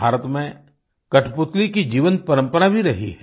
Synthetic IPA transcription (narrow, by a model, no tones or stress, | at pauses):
aːɾət̪mẽ | kɐʈʰpʊt̪likid͡ʒiːʋən̚pɐɾə̃mpəɾabʱiɾɐɦḭɦɛ